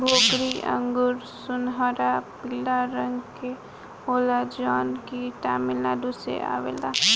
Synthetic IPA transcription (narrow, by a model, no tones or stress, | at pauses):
bʱoːkɾiə̰̃ŋɡʊɾsʊnɦɔɾapildaɾəŋɡke | oːlad͡ʒɔːnkiʈaːmilad̪usḛʔa̰ːʋḛla